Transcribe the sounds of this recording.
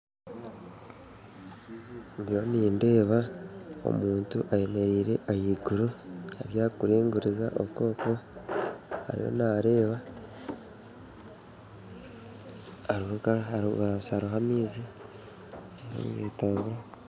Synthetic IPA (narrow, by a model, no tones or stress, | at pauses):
mβjoniːnde̞ːβao̰muːntuʔaje̞me̞ɾiːɾe̞ʔajiɡuɾuaβjaːkuɾiːŋɡuɾizaʔoko̞ːko̞ | ha̰ɾḭjo̞̰naɾe̞ːβa | ɾuhukaauβasaɾuɦamiːzi | aɾo̰ːŋɡeːtaːŋɡuɾa